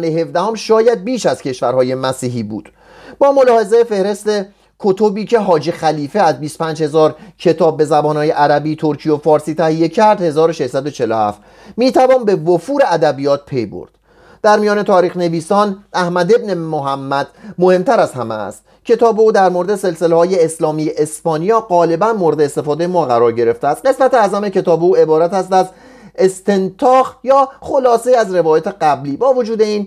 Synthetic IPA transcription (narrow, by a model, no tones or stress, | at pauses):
neɦe̞fd̪æhomʃɒːjæd̪̚biːʃæz̥cʰe̞ʃvæɾhɒːje̞mæsiːɦiːbṵːd̪̥ | bɒːmo̞lɒːhe̞zejefe̞hɾe̞st̪e̞ | kʰot̪ʰobiːcʰe̞ɦɒːd͡ʒexæliːfeæzbiːst̪o̥pʰæːnd͡ʒhe̞zɒːɾcʰe̞t̪ʰɒːbːe̞zæbɒːnhɒːje̞ʔæɾæbiːt̪ʰo̞ɾcʰijofɒːɾsiːt̪ʰæhije̞cʰæɾd̪he̞zɒːɾo̞ʃeʃsæd̪o̞t͡ʃʰe̞lohæ̰ft̪ | miːt̪ʰævɒːnbe̞vofuːɾe̞æd̪æbijɒːt̪̚pʰe̞jbo̰ɾd̪̥ | d̪̥æɾmijɒːne̞t̪ʰɒːɾiːxne̞viːsɒːnæhmæd̪e̞bne̞moɦæmːæd̪̥mo̞he̞mt̪ʰæɾæzhæmæ̰st̪ | cʰe̞t̪ʰɒːbeuːd̪æɾmoɾed̪e̞se̞lse̞lehɒːjeːslɒːmiːjeʔespɒːnijɒːɢɒːle̞bænmoɾed̪eːst̪e̞fɒːd̪ejemɒːɣæɾɒːɾɟe̞ɾe̞ft̪eæst̪̚ɢe̞smæt̪eæzæme̞cʰe̞t̪ʰɒːbeuːe̞bɒːɾæt̪æst̪æz | e̞st̪e̞nt̪ʰɒːxjɒːχo̞lɒːseiæzre̞vɒːjɒːt̪ʰe̞ɡæbliːbɒːvod͡ʒuːd̪e̞iːn